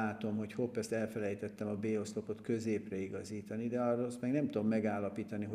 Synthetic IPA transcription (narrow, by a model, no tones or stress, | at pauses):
aːt̪o̞mho̞cho̞pːɛst̪ɛlfɛlɛjt̪ɛt̪ːɛmɒbeːost̪o̞po̞t̪kø̞zeːprɛiɡɒziːt̪ɒnid̪ɛɒrost̪mɛɡnɛmt̪ud̪omːɛɡaːlːɒpiːt̪ɒnio